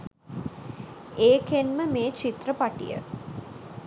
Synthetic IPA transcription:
eːkenməmeːt͡ʃit̪rəpaʈḭjə̰

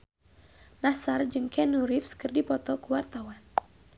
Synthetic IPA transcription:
nasard͡ʒɨŋkʰɛnuɾifskɨrdipɔt̪ɔkuwart̪awan

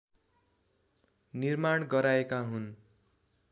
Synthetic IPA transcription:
nirmaɽɡʌɾaekaɦun

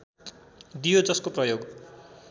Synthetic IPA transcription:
d̪ijod͡zʌskoprʌjoɡ

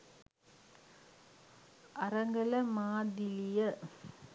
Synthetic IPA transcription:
ɐrɐŋɡɐləmaːd̪ilijə

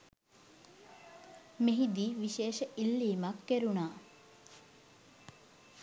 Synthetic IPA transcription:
meɦid̪iːʋiʃeːʃəʔilːiːmakːeɾunaː

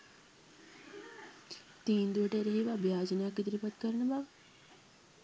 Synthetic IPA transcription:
t̪iːnd̪uəʈəeɾeɦiʋaːbʱjaːd͡ʒənajakːit̪ɾipat̪kəɾənəbaʋ

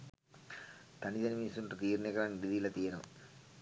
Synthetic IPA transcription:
t̪ɐnɪðɐnmiːsunʈrɐt̪iːɾneɣɐɾaːnɪɾɪðijɪlɐt̪iːɾɐm

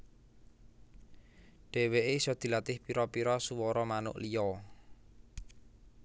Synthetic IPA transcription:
ɖ̥e̤weʔesɔd̪̥i̤lat̪ɪhpiɾɔpiɾɔsuwɔɾɔmanʊ̰ʔlijɔ

